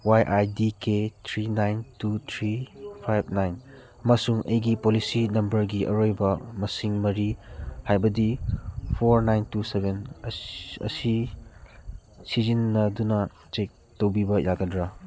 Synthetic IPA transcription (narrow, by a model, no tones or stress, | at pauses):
wajʔajdiketʰɾinajntut̪ʰɾipʰajb̚ʰnajn | ɐmɐsuŋʔɐjɡipolisinɐmbɐɾɡiʔɐ̰ɾojbɐmɐsiŋmɐɾihajbɐdipʰoɾnajntusebʱen | ɐ̰si | sizinːɐdunɐ | t͡ʃek̚ | towbibɐjʔaɡɐdɾa